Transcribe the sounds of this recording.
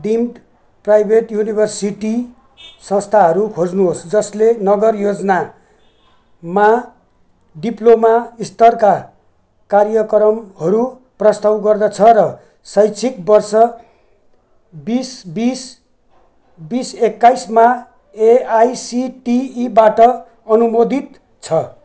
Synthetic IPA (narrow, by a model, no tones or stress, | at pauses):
ɖimʈ | prajbʱeʈjunibʱʌrsiʈi | sʌ̃st̪ʰaɦʌɾukʰod͡znuɦosd͡zʌslenʌɡʌrjod͡zʌna | ma | ɖiplomaist̪ʌrka | karjʌkʌɾʌmhʌɾu | prʌst̪awɡʌrd̪ʌt͡sʰʌɾʌ | sʌjt͡sʰikbʌrsʌ | bisbis | bisekːajsma | eajsiʈiːbaʈʌ | ʌnumod̪ʱit̪ | t͡sʰʌ